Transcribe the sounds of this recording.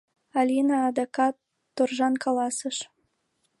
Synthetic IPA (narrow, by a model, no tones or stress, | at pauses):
alʲinɑːd̪ɑkɑt̪ː | orʒɑnkʰɑlˠɑsəʃ